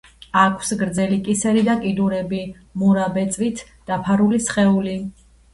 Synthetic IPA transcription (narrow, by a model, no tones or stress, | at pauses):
akʰsɡɾd̪zɛlikʼisɛɾid̪akʼid̪uɾɛbi | muɾabɛt̪sʼvit̪ʰ | d̪̥apʰaɾulisχɛuli